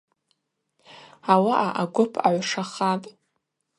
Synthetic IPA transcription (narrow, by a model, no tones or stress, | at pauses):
awaʔaʔaɡʷʊpʰaʕʷʂaχatʼ